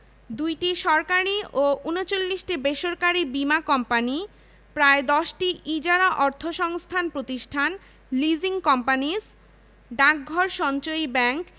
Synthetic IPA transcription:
d̪ujʈiʃɔɾkaɾioʔunot͡ɕolːiʃʈibeʃoɾkaɾibimakɔmpani | pɾaed̪ɔʃʈiʔid͡ʑaɾaʔɔɾt̪ʰoʃɔŋst̪ʰanpɾot̪iʃʈʰan | lid͡ʑiŋkɔmpanis | ɖak̚ɡʱɔɾʃɔnt͡ɕojbɛŋk

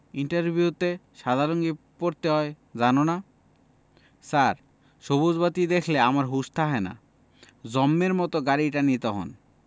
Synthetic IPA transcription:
iɳʈaɾbʱiut̪eʃad̪ʱaɾoŋɡi | poɾt̪eɦɔe | d͡ʑanona | saɾ | ʃobod͡zbat̪id̪ekʰleamaɾɦuʃt̪ʰaɦɔena̰ | d͡ʑɔmːeɾmɔt̪oɡaɾiʈanit̪ɔɦo̰n

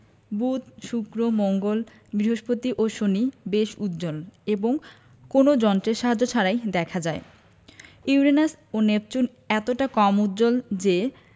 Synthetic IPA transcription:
but̪ʃukɾomoŋɡol | bɾiɦoʃpot̪iʔoʃonibeʃut̪ːd͡ʑoleboŋ | konod͡ʑɔnʈɾeɾʃaɦad͡ʑːot͡ɕʰaɾajd̪ɛkʰad͡ʑae | iwɾenas | onep̚t͡ɕun | ɛt̪oʈakɔmut̪ːd͡ʑold͡ʑe

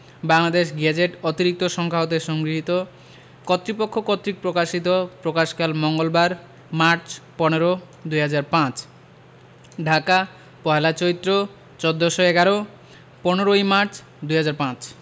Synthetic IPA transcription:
baŋlad̪eʃɡɛd͡ʑeʈot̪iɾik̚t̪oʃɔŋkʰaot̪̬eʃɔŋɡɾiɦit̪o | kot̪ːɾipokʰːokot̪ːɾik̚pɾokaʃit̪opɾokaʃkalmɔŋɡolbaɾ | maɾt͡ɕpoñeɾo | d̪ujɦad͡ʑaɾpãt͡ɕ | ɖʱaka | pɔɦelat͡ɕoɾit̪ːɾo | t͡ɕɔd̪ːoʃoeɡaɾo | poneɾoimaɾt͡ɕ | d̪ujɦad͡ʑaɾpãt͡ɕ

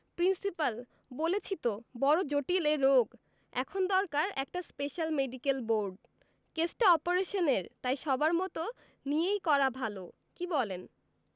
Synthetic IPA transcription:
pɾinsipal | bolet͡ɕʰit̪obɔɾod͡ʑoʈileɾoɡ | ɛ̰kʰond̪ɔɾkaɾɛk̚ʈaspeʃalmeɖikelboɾɖ | kesʈɔpoɾeʃoneɾt̪ajʃɔbaɾmɔt̪o | niejkɔɾabʱalo | kibɔlen

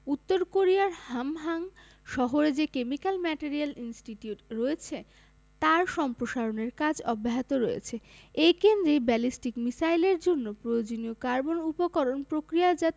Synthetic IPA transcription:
ut̪ːoɾkoɾijaɾhamɦaŋ | ʃɔɦoɾed͡ʑekemikalmɛʈeɾialinsʈiʈiuʈɾoet͡ɕʰe | t̪aɾʃɔmpɾoʃaɾoneɾkad͡ʑɔbːaɦat̪oɾoḛt͡ɕʰeejkend̪ɾebɛlisʈikmisajleɾd͡ʑonːopɾojod͡ʑoniokaɾbonupokɔɾonpɾokɾijad͡ʑat̪

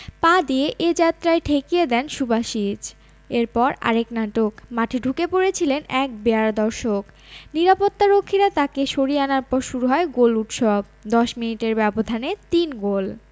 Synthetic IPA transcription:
pãd̪ieʔed͡ʑat̪ːɾaeʈʰekijed̪ɛnʃubaʃid͡ʑ | eɾpɔɾa̰ɾeknaʈokmaʈʰiɖʱukepoɾet͡ɕʰilenɛk̚beaɾd̪ɔɾʃok | niɾapot̪ːaɾokʰːiɾat̪akeʃoɾieanaɾpɔɾʃuɾuɦɔeɡoluʈʃɔb̚ | d̪ɔʃminiʈeɾbɛbod̪ʱanet̪inɡol

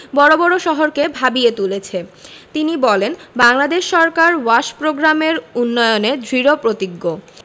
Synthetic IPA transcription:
bɔɾobɔɾoʃɔɦoɾkebʱabiet̪ulet͡ɕʰet̪inibɔlenbaŋlad̪eʃːɔɾkaɾwaʃpɾoɡɾameɾunːɔjoned̪ʱɾiɾopɾot̪iɡːo

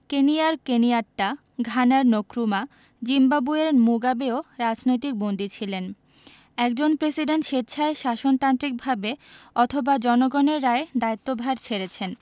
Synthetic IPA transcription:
keniaɾkeniaʈːa | ɡʱanaɾnokɾuma | d͡ʑimbabueɾmuɡabeoɾad͡ʑnojt̪ik̚bond̪it͡ɕʰilen | ɛk̚d͡ʑonpɾesiɖenʈʃet̪t͡ɕʰaeʃaʃont̪ant̪ɾik̚bʱabeɔt̪ʰobad͡ʑɔnoɡɔneɾːaed̪ait̪ːobʱaɾt͡ɕʰeɾet͡ɕʰen

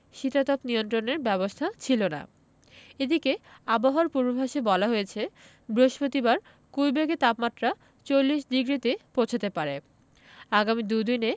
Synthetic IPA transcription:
ʃit̪at̪ɔpnijont̪ɾoneɾbɛbost̪ʰat͡ɕʰilona̰ | ed̪ikeaboɦaɾpuɾbobʱaʃebɔlaɦojet͡ɕʰe | bɾoʃpot̪ibaɾ | kujbeɡet̪apmat̪ːɾa | t͡ɕolːiʃd̪iɡɾit̪epõt͡ɕʰat̪epaɾe | aɡamid̪ud̪ine

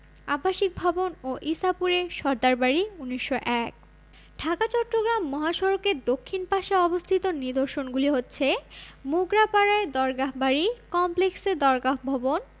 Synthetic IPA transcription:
abaʃik̚bʱɔbonoʔisapuɾeʃɔɾd̪aɾbaɾiuniʃːoʔɛk̚ | ɖʱakat͡ɕɔʈːɾoɡɾamːɔɦaʃɔɾokeɾd̪okʰːinpaʃaɔbost̪ʰit̪onid̪oɾʃonɡuliɦotːɕʰemuɡɾapaɾaed̪ɔɾɡaɦbaɾikɔmpleksed̪ɔɾɡaɦbʱɔbon

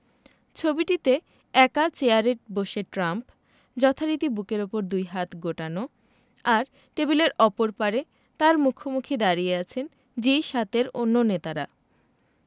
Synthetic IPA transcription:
t͡ɕʰobiʈit̪e | ɛkat͡ɕeaɾeʈ̚boʃeʈɾamp | d͡ʑɔt̪ʰaɾit̪ibukeɾopoɾd̪ujɦat̪ɡoʈano | aɾ | ʈebileɾɔpoɾpaɾe | t̪aɾmukʰomukʰid̪aɾijeat͡ɕʰen | d͡ʑiʃat̪eɾonːonet̪aɾa

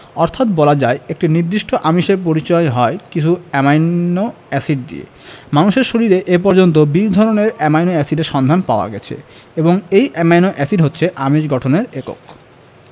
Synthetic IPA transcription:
ɔɾt̪ʰat̪bɔlad͡ʑaeek̚ʈiniɾd̪iʃʈʰoʔamiʃeɾp̬oɾit͡ɕɔeɦɔekit͡ɕʰuɛmajno | ɛsiɖ̚d̪ḭḛ | manuʃeɾʃoɾiɾeʔep̬ɔɾd͡ʑont̪̬obid͡ʑd̪ʱɔɾoneɾɛmajnoɛsiɖeɾʃɔnd̪ʱanpaoa̰ɡɛt͡ɕʰḛ | eboŋejʔɛmajnoʔɛsiɖɦotːɕʰeʔamiʃɡɔʈʰoneɾeko̰k

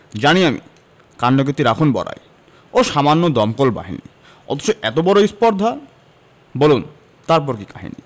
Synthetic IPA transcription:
d͡ʑaniamḭ | kaɳɖok̬et̪ːiɾakʰonbɔ̰ɾa̰j | oʃamanːod̪ɔmkolba̰ɦḭnḭ | ɔ̰t̪ʰo̥t͡ɕoʔɛt̪obɔɾoispɔɾd̪ʱa | bolun | t̪aɾp̬ɔɾkikaɦḭnḭ

